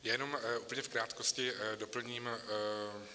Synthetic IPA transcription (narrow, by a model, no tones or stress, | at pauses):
jajɛnomʔuːpl̩ɲɛfkɾaːt̪koscɪdopl̩ɲiːm